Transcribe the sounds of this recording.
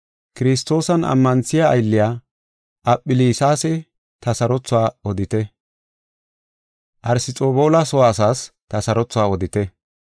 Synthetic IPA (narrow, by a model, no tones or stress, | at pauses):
kɪɾɪs̬t̪ːo̞ːsɐnʔɐ̰mːɐnsɪja̰jlːɪjaː | ʔɐpʼːɪliːsaːsɛ | t̪ɐsɐɾɔt͡sːʊwaːɔd̪ɪt̪ɛ | ʔɐɾsɪt͡sʼoːboːlasɔwaːsaːst̪ɐsɐɾɔt͡sːʊwaːɔd̪ɪt̪ɛ